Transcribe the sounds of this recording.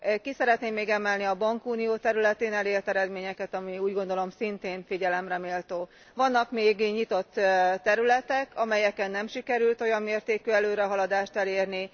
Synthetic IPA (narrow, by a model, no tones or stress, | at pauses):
kisɛɾɛt̪neːmːeːɡɛmɛlniɒbɒŋkuːnijoːt̪ɛɾylɛt̪eːnɛleːrt̪ɛɾɛd̪meːɲɛkɛt̪ɒmiuːɟɡo̞nd̪o̞lo̞msint̪eːɱfiɟɛlɛmrɛmeːlt̪oː | vɒnːɒkmeːɡɲit̪o̞t̪ːɛɾylɛt̪ɛkʰɒmɛjɛkɛnːɛmʃikɛɾylt̪o̞jɒmːeːrt̪eːkyɛløːɾɛɦɒlɒd̪aːʃt̪ɛleːrni